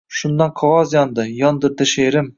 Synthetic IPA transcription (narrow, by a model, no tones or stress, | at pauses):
ʃʊnd̪anqʰɒwɒzjɒnd̪ɪjɒnd̪ɪɾd̪ɪʃeɾɪm